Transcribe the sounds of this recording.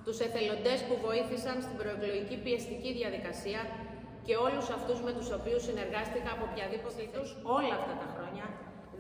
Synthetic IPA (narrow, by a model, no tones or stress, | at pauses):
t̪use̞θe̞lo̞nd̪e̞spuvo̞iθisɐnst̪ibɾo̞evlo̞ʝicipie̞st̪iciðjɐðikɐsiɐ | ce̞o̞lusɐft̪uzme̞t̪uso̞piusːine̞ɾɣɐst̪ikɐɐpo̞pçɐðipot̪it̪uso̞lɐːft̪ɐt̪ɐxɾo̞ɲɐ